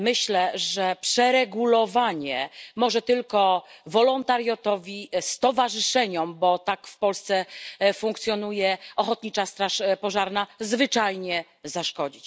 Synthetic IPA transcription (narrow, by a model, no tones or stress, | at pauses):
mɘɕlɛʐɛpʂɛɾɛɡulɔvaɲɛmɔʐɛt̪ɘlkɔvɔlɔnt̪aɾjɔt̪ɔvʲist̪ɔvaʐɘʂɛɲɔmbɔt̪akfpɔlst̪sɛfuŋkt̪sʲjɔn̪ujɛɔxɔt̪ɲit͡ʂast̪ɾaʂpɔʐaɾnazvɘt͡ʂajɲɛ | zaʂkɔd͡ʑit͡ɕ